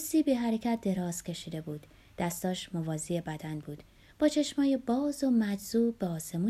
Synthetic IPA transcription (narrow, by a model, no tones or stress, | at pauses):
siːbeɦæɾecʰæt̪̚ʰd̪e̞ɾɒːz̥cʲʰe̞ʃiːd̪e̞buːd̪ | d̪̥æst̪ɒːʃmovɒːziebæd̪ænbuːd̪̥ | b̥ɒːt͡ʃʰe̞ʃmɒːjebɒːzomæd͡ʒz̥uːbeɒːse̞muː